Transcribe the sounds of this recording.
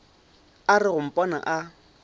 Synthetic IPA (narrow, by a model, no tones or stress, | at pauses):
arɪɣʊm̩pʼɔna̰ʔa